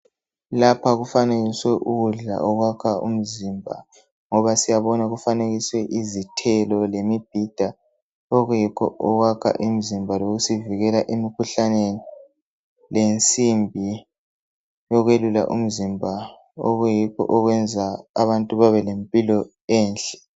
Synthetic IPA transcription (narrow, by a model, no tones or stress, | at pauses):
lapʰaɣufaneɣiswɛʔuɣuɮa̰ɔɣwakʰaṵm̩zimbʱa | ŋɔβasijaβɔnaɣufaneɣiswɛʔizitʰɛlɔlemib̥̚ʱid̥ʱa | ɔɣujikʰɔ̰ʔɔɣwakʰa̰ʔim̩zimbʱaloɣusiviɣɛlaʔemikʰuɬaneni | lent͡sʼimbʱi | jɔɣwelula̰ʔṵm̩zimbʱa | ɔ̰ɣujikʰɔ̰ʔɔɣwɛnd͡zʱaaβantʼuβaβɛlempʼilɔ | ɛːnɬɛ̥